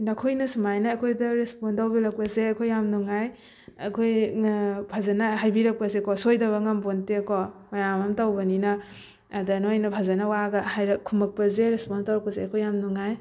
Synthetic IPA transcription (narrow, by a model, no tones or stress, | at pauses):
nɐkʰojnɐsumajnɐːkʰojdɐɾespɔntawbiɾɐk̚pɐzeɐkʰojːamnuŋaj | ɐkʰoj | pʰazɐnɐɦajbiɾɐk̚pɐzekɔsojdɐβɐŋɐmbontekɔmajamɐmtawbɐninɐː | danojnɐpʰazɐnɐwaɡɐhajɾɐkʰumɐk̚pɐzeɾespɔntawɾɐkpɐzeɐkʰojːamnuŋaj